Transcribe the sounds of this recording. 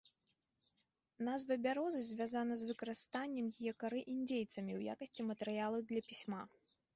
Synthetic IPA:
nazvɐbʲaɾɔzɨzʲvʲazanɐzvɨkɐɾɨst̪anʲːɛmjijɛkaɾɨʔinʲd͡zʲejt̪sɐmʲiwja̰kɐsʲt͡sʲimɐt̪ɛɾɨjalˠɐwd̪lʲɐpʲisʲma

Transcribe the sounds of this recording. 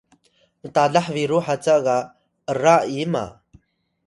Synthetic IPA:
mət̪aɮaħviɾuħat͡saɣa | əraima̰

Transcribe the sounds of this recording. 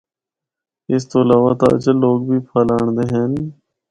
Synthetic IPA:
ɪst̪oːəlaːʋaːt̪a̰ːt͡ʃəloːɡ̚bʱiːpʰaːlaːɳd̪eːɦɛːn

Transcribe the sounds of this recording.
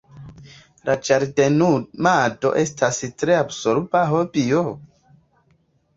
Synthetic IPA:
lad͡ʒaɾdenumado̞̰ʔe̞stʰastɾeabsoɾbaɦobio

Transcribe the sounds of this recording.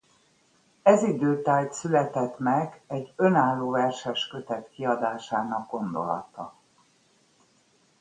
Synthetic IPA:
ɛzid̪øːt̪aːjt̪sylɛt̪ɛt̪mɛɡɛɟːø̞naːlːoːvɛrʃɛʃkø̞t̪ɛt̪kiɒd̪aːʃaːnɒɡ̚ɡo̞nd̪o̞̰lɒ̰t̪ɒ̰

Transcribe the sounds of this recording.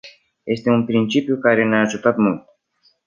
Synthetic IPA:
je̞st̪e̞unpɾint͡ʃipjukaɾe̞neaːʒut̪at̪mult̪

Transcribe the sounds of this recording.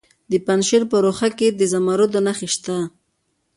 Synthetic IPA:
d̪əpanʃɪɾpəɾoxaked̪əzamaɾod̪onaxeʃt̪a

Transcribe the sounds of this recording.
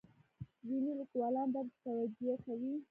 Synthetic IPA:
winilikwɑlɑnb̪aɡt̪t̪awad͡ʒijakawi

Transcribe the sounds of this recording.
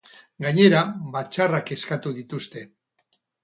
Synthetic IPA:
ɡaɲe̞ɾaβat͡ʃarake̞skat̪uðit̪ust̪e̞

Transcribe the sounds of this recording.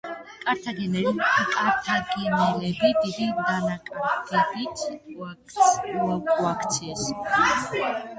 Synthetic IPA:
kʼaɾt̪ʰaɡɛnɛɾimkʼaɾt̪ʰaɡɛnɛlɛbid̪id̪ind̪anakʼaɾkɛd̪it̪wakakʼwakʰt̪sʰɛs

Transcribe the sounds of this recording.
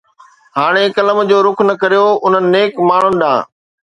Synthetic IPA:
haːɽ̃ekɐləmd͡ʑoːɾʊkʰnɐkɐɾijoʊn̤ənɪ̆neːkmaːɳ̤ʊnɪ̆ɗã̰ː

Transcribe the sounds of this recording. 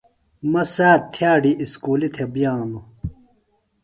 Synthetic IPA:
mɐsaːtt̪ʰjaːɖiʔiskuːlit̪ʰebjaːnu

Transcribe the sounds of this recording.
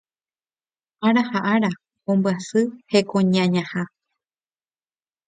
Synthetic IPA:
aɾahaʔaɾa | õmbɨasɨhe̞kõɲãɲãha

